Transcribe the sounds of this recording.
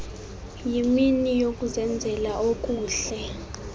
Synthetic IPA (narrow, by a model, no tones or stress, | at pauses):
jiminijokʼuzɛnd͡zʱɛlaʔokʼuːɬɛ